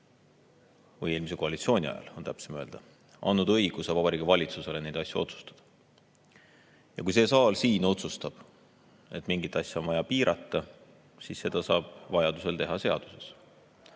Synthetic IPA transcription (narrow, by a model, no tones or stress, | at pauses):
vɤje̞ːlmise̞ko̞ɑlʲit̪sio̞ːnʲiɑ̰jɑ̰lo̞nt̪æpsemøld̪̥ɑ | ʔɑ̰nːud̪̥ɤjɡ̥usevɑbɑɾiːɡivɑlʲit̪suse̞le̞ne̞jd̪̥ɑsʲjuo̞̰t̪su̥st̪ɑ̥d̪̥ɑ̥ | jɑkujse̞ːsɑːlsiːno̞t̪sust̪ɑb̥ | e̞t̪ːˑmiŋɡit̪ːˑɑsʲjuo̞nvɑjɑpiːɾʔɑ̰t̪ːˑɑ | sisːe̞d̪̥ɑsɑːb̥vɑjɑd̪use̞lt̪e̞ɦɑse̞ɑ̰d̪̥u̥se̞s